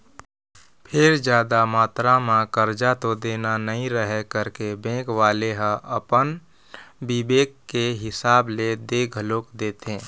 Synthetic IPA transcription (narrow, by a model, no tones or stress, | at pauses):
pʰɪɾd͡ʒjaːd̪amaːt̪ɾamãkəɾd͡ʒat̪od̪eːnanəɦĩɾəɦɛkəɾkebẽːkwaːleɦə̃ʔəpən | bɪbeːkːeɦɪsaːbled̪eːɡʱəloːkd̪eːt̪ẽː